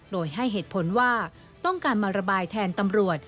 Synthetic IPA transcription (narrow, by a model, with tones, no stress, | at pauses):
doː˧jɦa˥˩jɦeː˨˩t̪̚pʰo˩˦nwaː˥˩ | t̪ɔ˥˩ŋkaː˧nmaː˧ɾa˧baː˧jt̪ʰɛː˧nt̪a˧mɾu˨˩ət̪̚